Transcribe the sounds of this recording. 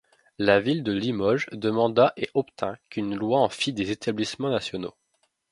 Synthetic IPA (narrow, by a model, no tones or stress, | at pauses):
lavild̪əlimɔʒd̪əmɑ̃d̪aʔeʔɔpt̪ʰɛ̃kynlwaɑ̃fid̪ezet̪ʰablismɑ̃nasjɔno